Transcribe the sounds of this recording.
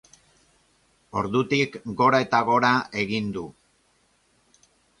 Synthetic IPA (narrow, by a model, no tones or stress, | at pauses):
o̞ɾðut̪ikɡo̞ɾae̞t̪aɣ̞o̞ɾae̞ɣind̪u